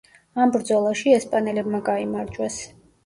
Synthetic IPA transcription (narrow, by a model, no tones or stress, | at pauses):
ambɾd̪zɔlˠaʃiɛspʼanɛlɛbmaɡaimaɾd͡ʒwas